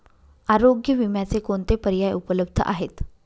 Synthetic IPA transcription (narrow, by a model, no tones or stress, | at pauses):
aɾoɡjəʋimjat͡sekoɳt̪epəɾjajupələb̚d̪ʱə̰ʔa̰ɦet̪